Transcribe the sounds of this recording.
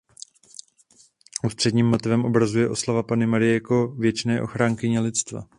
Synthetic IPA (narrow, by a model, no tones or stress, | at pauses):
ʔust̪r̥ɛdɲiːmːo̞t̪ɪvɛmʔo̞bɾazujɛʔo̞slavapanɪmaɾɪjɛjako̞vjɛt͡ʃnɛːʔo̞xɾaːŋkɪɲɛlɪt̪t͡st̪va̰